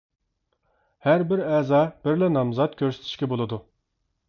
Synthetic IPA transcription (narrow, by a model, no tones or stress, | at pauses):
hæɾbɪɾɛːzɑːb̥ɪɾlɛnɑmzɑt̪̚kʲʰøɾse̥t̪ʰɪ̥ʃkʲɛbolˠɨd̪u